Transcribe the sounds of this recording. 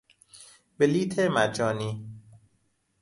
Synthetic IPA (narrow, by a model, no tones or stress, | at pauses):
beliːt̪ʰemæd͡ʒɒːniː